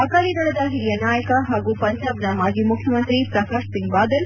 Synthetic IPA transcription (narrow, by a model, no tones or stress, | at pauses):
ɐkaːlid̪ɐɭɐd̪aːɦiɾijɐnaːjɐkɐɦaːɡupɐɲd͡ʒaːbnamaːɡimukʰjɐmɐnt̪ɾipɾɐkaːʂsiŋɡ̚baːd̪ɐl